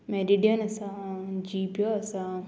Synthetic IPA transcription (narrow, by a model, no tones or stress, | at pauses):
meɾiɖijənɐsãd͡ʑiːpjoɐsã